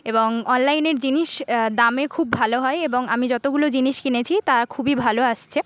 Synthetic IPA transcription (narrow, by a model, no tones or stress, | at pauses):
eboŋɔnlajneɾd͡ʑiniʃd̪amekʰubːʱaloɦɔeeboŋamid͡ʑɔt̪oɡulod͡ʑiniʃkinet͡ɕʰit̪aɾakʰubibʱaloaʃt͡ɕʰe